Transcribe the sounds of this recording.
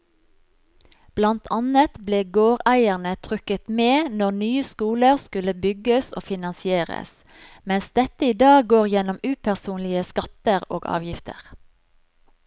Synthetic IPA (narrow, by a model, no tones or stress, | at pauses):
b̥lɑnt̪ʰɑnət̪bleːɡoːʁæɪəʁnət̪ʰʁʏkət̪meːnɔʁnyːəskuːləʁskʉləbʏɡəso̰ːfɪnɑnsɪeːʁə̰s | mɛnsd̪ɛt̪əiːd̪ɑːɡɡoːʁjɛnɔmʉːpʰæʁsuːnlɪəskɑt̪əʁo̰ːɡɑ̰ːʋjɪft̪ʰə̰ʁ